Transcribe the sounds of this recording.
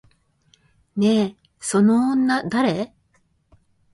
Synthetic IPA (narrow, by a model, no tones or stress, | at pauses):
ne̞ | so̞nõːnːad̪aɾe̞